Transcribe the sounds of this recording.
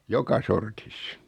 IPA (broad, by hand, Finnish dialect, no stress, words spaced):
jokɑ sortis